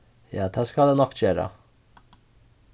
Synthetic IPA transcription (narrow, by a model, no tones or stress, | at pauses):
jɑːd̪ʰæːskɑld̪eːnɔkːc͡çøːɾə̰